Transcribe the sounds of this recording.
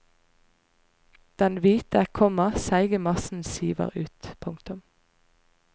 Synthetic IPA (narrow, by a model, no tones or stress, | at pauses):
d̪̥ɛnʋiːt̪əkʰɔməʁsæɪɡəmɑsn̩siːʋə̰ʁʉːt̪pʰʊŋkt̪ʉm